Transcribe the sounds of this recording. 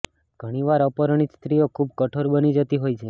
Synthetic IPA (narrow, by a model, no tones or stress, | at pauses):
ɡʱəɽ̃iʋaɾəpəɾəɳ̃it̪st̪ɾiokʰub̚kəʈʰoɾbənid͡ʒət̪iɦojt͡ʃʰe